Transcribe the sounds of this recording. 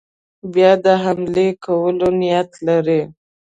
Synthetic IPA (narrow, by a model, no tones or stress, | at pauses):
bjɑd̪əɦamlekawəlonɪjat̪laɾi